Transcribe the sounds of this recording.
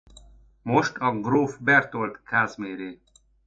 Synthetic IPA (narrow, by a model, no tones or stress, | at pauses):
moʃt̪ɒɡroːfbɛrt̪olt̪kʰaːzmeːɾeː